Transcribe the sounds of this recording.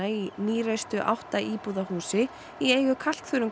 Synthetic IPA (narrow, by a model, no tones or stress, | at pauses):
ainiːɾest̪ʏʔa̰wht̪aʔiːpuðahuːsɪ | iejɣʏkʰal̥kθʏːɾʏm